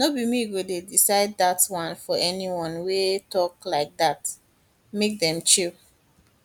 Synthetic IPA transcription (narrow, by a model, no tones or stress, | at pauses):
nobimiɡodedisaɪdatwãnfɔɛniwɔ̃nwetɔklaɪk̚dat | mek̚dɛ̃mt͡ʃi